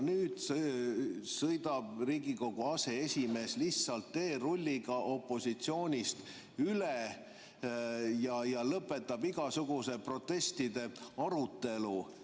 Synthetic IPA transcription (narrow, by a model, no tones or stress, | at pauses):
nyːd̪̥ | sɤjd̪ɑb̥riːɡiko̞ɡ̥uɑse̞esʲime̞ːslitsɑlt̪ːe̞ːro̞lʲːiɡ̥ɑʔo̞pːˑo̞sit̪sio̞ːnʲist̪ | yle | jɑjɑlɤpːˑe̞t̪ːˑɑbiɡ̥ɑsuɡ̥use̞pro̞t̪ːˑe̞st̪id̪e̞ɑɾut̪ːe̞lu